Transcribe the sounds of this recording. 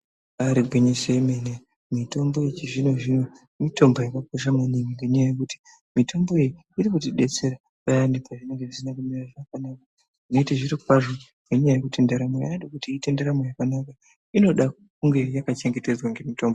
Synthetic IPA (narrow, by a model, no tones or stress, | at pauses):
aɾiɡʱwiɲiseimene | mito̞mbo̞et͡ʃiʐino̞ʐino | mito̞mbojakakoʃamaniŋɡiŋɡeɲajajekuti̥ | mitʰo̞mbo̞eji | iɾikutiɗe̞t͡se̞ɾa | kajandepaʐineŋɡeʐisinakumiraʐakanaka | ino̞iteʐiɾikwaʐoŋɡe̞ɲajajekutendeɾamoja̰jandekutiːte̞ndeɾamojakanaka | ino̞ɗa | kuŋɡe̞jakat͡ʃeŋɡe̞te̞d͡zwaŋɡe̞mitombo